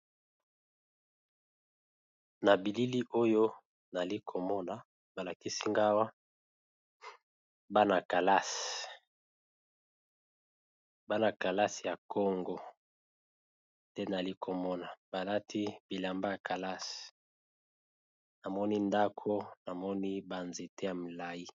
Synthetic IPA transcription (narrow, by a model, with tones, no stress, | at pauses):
na˨bi˨li˦li˦ʔo˦jo˦ | na˨li˦kʰo˨mɔ˦na˨ | ba˨la˨ki˦si˦ŋɡa˦wa˦ | ba˦na˨ka˨la˦s | ba˦na˨ka˨la˦si˨ja˨kʰo˦ŋɡɔ˦ | ndɛ˦na˨li˦kʰo˨mɔ˦na˨b̥a˨la˦tʰi˦bi˨la˨mba˦ja˨kʰa˨la˦s | na˨mɔ˦ni˦nda˦kʰo˦na˨mɔ˦ni˦ba˨nze˨te˦ja˨mi˨la˦ji˦